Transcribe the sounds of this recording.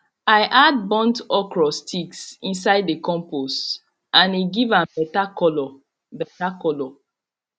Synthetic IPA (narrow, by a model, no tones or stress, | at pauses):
aɪʔad̚bɔ̃ntɔkɹɔstʰiksĩnsaɪdekɔ̃mpos | ʔãniɡivãmbɛtakɔlɔ | bɛtakɔlɔ